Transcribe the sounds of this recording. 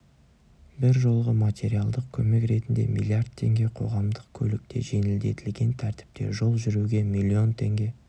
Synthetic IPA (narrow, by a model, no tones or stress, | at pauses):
bɪɾʒo̞lˠʁəmat̪ʲe̞ɾialˠd̪əq̚kʲʰɵme̞kɾe̞t̪ɪnd̪e̞̰mḭlʲˠiard̪t̪ʰːe̞ŋɡʲe̞qʰo̞̰ʁɑmd̪əqkʲʰɵlɪk̚t̪e̞̰ʒe̞nɪld̪e̞t̪ɪlɡʲe̞nt̪ʰæɾt̪ɪ̥p̚t̪e̞̰ʒo̞lˠʒʏɾuɡʲe̞milʲːio̞nt̪ʰe̞ŋɡʲe̞